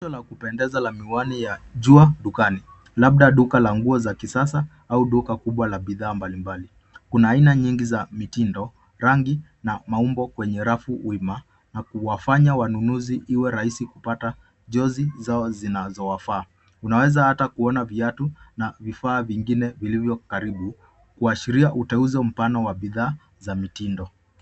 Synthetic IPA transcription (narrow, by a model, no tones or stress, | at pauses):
ʃɔlakupɛndɛzalamiwanijaʄuaɗukani | laɓ̚ɗaɗukalaŋɡuɔzakisasa | auɗukakuɓwalaɓiðaːmbalimbali | kunaːinaɲiŋɡizamitindɔ | ɾaŋɡi | namaumbɔkwɛɲɛɾafuwima | nakuwafaɲawanunuziʔiwɛɾahisikupata | ʄɔzizaɔzinazɔwafaː | unawɛzahatakuɔnaviatunavifaːviŋɡinɛvilivjɔkaɾiɓu | kuaʃiɾiaʔutɛuzɛm̩panɔwaɓiðaː | zamitindɔ